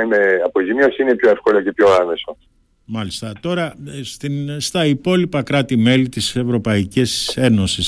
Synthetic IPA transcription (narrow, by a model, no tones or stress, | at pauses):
ineɐpozimiosine̞pçoe̞fko̞loce̞pço̞ɐme̞so | mɐlist̪ɐt̪o̞ɾɐst̪inst̪ɐipo̞lipɐkɾɐt̪ime̞lit̪ise̞vɾo̞pɐicise̞no̞sis